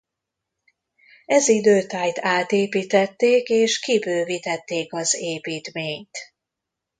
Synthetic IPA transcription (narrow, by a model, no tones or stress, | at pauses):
ɛzid̪øːt̪aːjt̪aːt̪eːpiːt̪ɛt̪ːeːkeːʃkibøːvit̪ɛt̪ːeːkɒzeːpiːt̪meːɲt̪